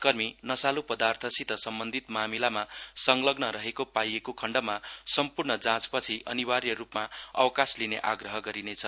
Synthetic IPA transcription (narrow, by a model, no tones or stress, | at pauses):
kʌrminʌsalupʌd̪art̪ʰʌsit̪ʌsʌmbʌnd̪ʱit̪mamilamasʌŋlʌɡnʌɾʌɦekopajekokʰʌɳɖʌmasʌmpurɳʌd͡zãt͡spʌt͡sʰiʔʌ̰niwarjʌɾupmaʌ̰wkaslinḛʔa̰ɡrʌɦʌɡʌɾinet͡sʰʌ